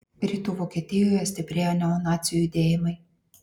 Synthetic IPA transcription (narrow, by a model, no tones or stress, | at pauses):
ɾʲiːt̪uːʋoːkʲiːt̪ʲɪjoːjɛsʲt̪ʲɪpʲɾʲeːɐnʲɛɔnɑːt̪sʲɪjujid̪ʲeːjɪmɐɪ